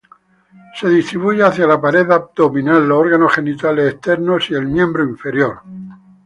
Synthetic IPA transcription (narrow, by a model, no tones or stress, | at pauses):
se̞ðist̪ɾiβuʝeaθjalapaɾe̞ðap̚d̪o̞mĩnalːoɾɣanosχe̞nit̪aleseht̪e̞ɾno̞sie̞lmjẽ̞mbɾoiɱfe̞ɾjo̞ɾ